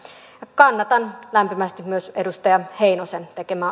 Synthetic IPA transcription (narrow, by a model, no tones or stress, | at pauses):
ɑkɑnːɑt̪ɑnlæmpimæst̪immyøsedust̪ɑjɑheinosent̪ekemæː